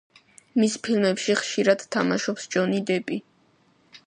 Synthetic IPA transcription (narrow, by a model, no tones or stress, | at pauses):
mispʰilmɛpʃiχʃiɾad̪̥t̪ʰːama̰ʃɔpsd͡ʒɔnid̪ɛpʼi